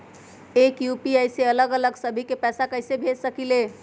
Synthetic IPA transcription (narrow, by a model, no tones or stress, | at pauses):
ekjupiəjseələɡələɡsəbʱikepɛjsakəɪsebʱesəkile